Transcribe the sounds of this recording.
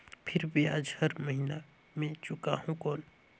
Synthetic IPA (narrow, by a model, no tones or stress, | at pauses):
pʰɪɾbʱiaːd͡ʒhɐɾmɐɦina | mẽt͡ʃʊkaɦũkoːn